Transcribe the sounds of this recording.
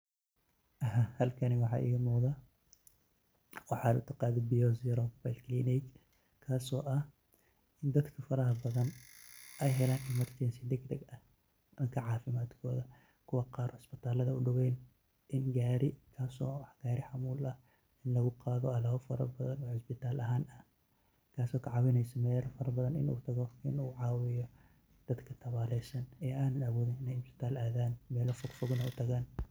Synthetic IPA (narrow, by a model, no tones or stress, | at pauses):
ʔɐɦahɐlkʰɐniwɑħɑ̰ːʔɪ̰ːɣɐmɔːða | wɑħɑːlʊ̰t̪ʰɐqɑːðɛbijɔːsɪɾɔfbajlkʰlinɛt͡ʃ | kʰaːsɔːʔɐh | ɪnd̪ɐd̪kʰɐfɐɾɐɦɐbɐðɐnʔɛjɦɛlaːnʔɪmɐrt̪ʰɛːnsɪd̪ɛɡd̪ɐɡɐh | d̪ɐŋkʰɐʕɑːfɪmaːd̪kʰɔːðɐ | kʰʊwɑqɑːɾʔɔʕɪsbɪt̪ʰaːlɐðɐʊɖʊwɛjn | ʔɪnɡaːɾɪkʰaːsɔːwħɡ̥aːɾɪħɑmuːlɐh | ɪnlɐɣʊqɑːðɔɐlaːβɐfɐɾɐ̰bɐðɐnɔːħɪsbɪt̪ʰaːlʔɐɦaːnɐh | kʰaːsɔːkʰɐʕɑwɪnɛjsɐmɛːlfɐɾɐbɐðɐnɪ̰nʔṵːt̪ʰɐɣɔɪ̰nuːʕɑːwɪjɔ | d̪̥ɐd̪kʰɐt̪ʰɐβaːlɛjsɐnɛːʔaːnɐnɐwɔːðɪnɪnɛjhɪsɪ̥t̪ʰaːlʔaːðaːnmɛːlɔfʊɡfʊɡnɐʊt̪ʰɐɣaːn